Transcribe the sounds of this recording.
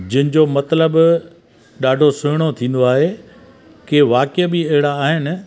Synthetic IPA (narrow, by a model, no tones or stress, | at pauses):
d͡ʑɪɪnɪ̃̆d͡ʑomɐt̪ləb | ɗaːɖʱosʊɦɪɽ̃ot̪ʰĩːn̆d̪oaːɦe | keʋaːkɪbiɐɦɪɽaːɦɪnɪ̆